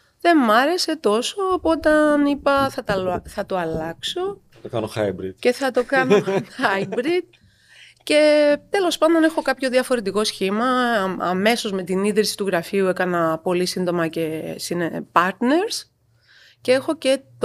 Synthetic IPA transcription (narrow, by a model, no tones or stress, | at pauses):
ðe̞mɐɾe̞se̞t̪o̞so̞ːpot̪ɐnipɐθɐt̪ɐlθɐt̪oɐlɐkso̞ | okɐnoxɐjbɾit̪ce̞θɐt̪o̞kɐnoxɐjbɾit̪̚ | ce̞t̪e̞lo̞spɐnd̪o̞ne̞xo̞kɐpço̞ðiɐfo̞ɾe̞t̪iko̞sçimɐɐ̰me̞so̞zme̞t̪iniðɾisi̥t̪uɣɾɐfiue̞kɐnɐpo̞lisind̪o̞mɐce̞sinepɐɾt̪ne̞ɾs | ceexo̞ce̞t̪